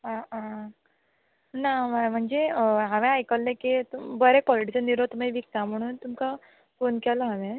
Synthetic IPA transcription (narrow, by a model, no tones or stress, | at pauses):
ɦãã | naʋəm̤əɳd͡zeɦãʋɛ̃ajkəlːẽkit̪ubəɾɛkʋɔliʈiɕənːiɾot̪meʋik̚t̪am̤əɽ̃uːnt̪umka | fonkɛləɦaʋẽ